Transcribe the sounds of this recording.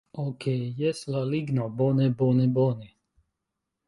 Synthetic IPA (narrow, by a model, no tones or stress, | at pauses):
okʰejɛslaliɡnabonɛbonɛbonɛ